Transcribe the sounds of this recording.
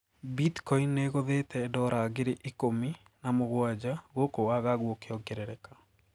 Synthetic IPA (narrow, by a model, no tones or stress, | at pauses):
bitkɔinːeɣoðetɛdɔɾaːɣeɾeʔikomi | namoɣwad͡ʑaɣokowaɣaɣwokeɔɡɛɾɛɾɛka